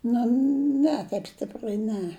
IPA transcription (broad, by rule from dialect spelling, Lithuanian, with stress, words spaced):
ˈnʊ ˈnʲɛ tɐɪp ˈsʲtʲɪprɐɪ ˈnʲɛ